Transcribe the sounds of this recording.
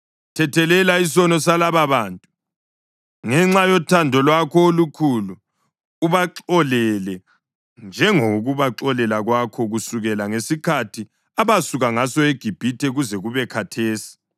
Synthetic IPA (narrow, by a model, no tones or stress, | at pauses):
tʰɛtʰɛlɛlaisɔnɔs̬alaβaβaːntʼu | ŋɛŋ͡ǁajɔtʰandʱɔlwakʰɔolukʰuluː | βaǁɔlɛlɛ | nd͡ʒʱɛŋoɣuβaǁɔlɛlaɣwakʰɔɣusuɣɛlaŋesikʰatʰi | aβasuɣaŋasɔeɡ̥ʱib̥ʱitʰɛɣuzɛɣuβɛkʰatʰeːsi̥